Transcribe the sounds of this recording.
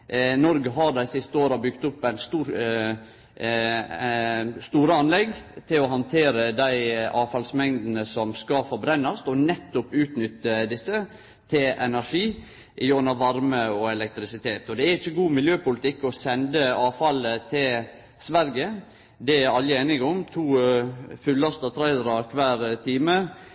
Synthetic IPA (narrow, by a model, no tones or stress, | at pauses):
nɔɾɡəɦɑɾd̪æɪsɪst̪əoːɾɑbʏkt̪ʊpːæɪnst̪ː | st̪uːɾəɑnlɛɡt̪ʰɪlɔɦɑnt̪ʰeːɾəd̪æɪɑːfɑlsmɛŋd̪nəsɔmskɑfɔɾbɾɛnːɑst̪ɔnɛt̪ːʊpʉːt̪nʏt̪ːəd̪ɪsːə | t̪ʰɪlʔɛnæɾʂiː | ʔɪjɔnɑʋɑɾməɔɛlɛk̚t̪ɾɪsɪt̪ʰeːt̪ɔd̪ɛæɾɪçːəɡuːmɪljøːpʊlɪt̪ʰɪkːɔsɛnd̪əɑːfɑlət̪ʰɪl | sʋæɾɡə | d̪ɛæɾɑlːɪeːnɪɡɔmt̪ʰuːfʉlːɑst̪ət̪ʰɾæɪɾɑkʰʋæːɾt̪ʰiːmə